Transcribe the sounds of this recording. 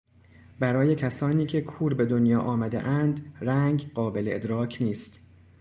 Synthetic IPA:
bæɾɒːje̞cʰæsɒːniːcʰe̞kʰuːɾbe̞d̪o̞njɒːʔɒːmæd̪e̞̰ʔænd̪ɾæŋɡɢɒːbe̞leed̪ɾɒːcʰniːst̪

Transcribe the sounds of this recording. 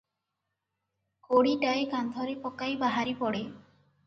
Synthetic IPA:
koɽiʈaekand̪ʱɔɾepɔkajbaɦaɾipɔɽe

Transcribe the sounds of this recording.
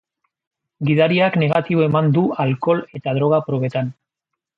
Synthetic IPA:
ɡiðaɾiakne̞ɣ̞at̪iβoe̞mand̪ualko̞le̞t̪aðɾo̞ɣ̞apɾo̞βe̞t̪an

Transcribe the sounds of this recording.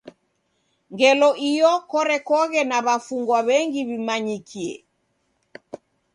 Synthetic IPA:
ŋɡɛlɔʔijɔkɔɾɛkɔɣɛnaβafuŋɡwaβɛŋɡiβimaɲikʰiɛ̰

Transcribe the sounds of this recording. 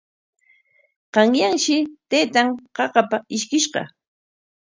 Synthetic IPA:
qɑŋjaŋʃɪt̪ejt̪aŋqɑqɑpaɪʃkɪʃɢɑ̰

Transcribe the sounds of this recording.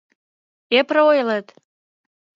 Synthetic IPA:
eprəojlət̪

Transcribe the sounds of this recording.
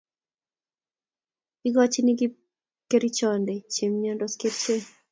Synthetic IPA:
iɡɔt͡ʃiniɡi | keɾit͡ʃɔndɛt͡ʃemɲɔndɔskeɾt͡ʃe

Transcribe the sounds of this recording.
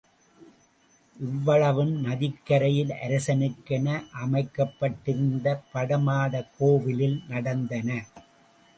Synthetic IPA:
ʔɪʋːɐɭɐʋɯmnɐðɪkːɐɾɐjɪlʔɐ̰ɾɐsɐnɪkːɐnɐʔɐmɐɪkːɐpːɐʈːɪɾɯnd̪ɐpɐɽɐmaːðɐkːoːʋɪlɪlnɐɽɐnd̪ɐnɐ

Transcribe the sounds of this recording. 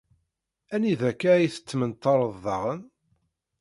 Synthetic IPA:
æniðækːajiθə̥t͡sːmənt̪ːɑɾˤəðːɑʁən

